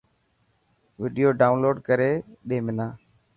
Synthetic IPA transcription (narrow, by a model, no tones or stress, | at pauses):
ʋɪɖijoːɖaːʊnloːɖkəɾeːɗẽːmɪnaː